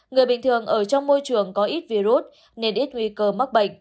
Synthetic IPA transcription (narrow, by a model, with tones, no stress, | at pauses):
ŋɨ˨˩əjɓï˨˩ŋ̟t̪ʰɨ˨˩əŋʔəː˧˩t͡ɕɔ˧wŋ͡mmo˧jt͡ɕɨ˨˩əŋkɔ˨˦ʔi˦˥t̚vi˧zu˦˥t̚ | ne˧nʔi˦˥t̚ŋwi˧kəː˧ma˦˥k̚ɓə̰˧˨jŋ̟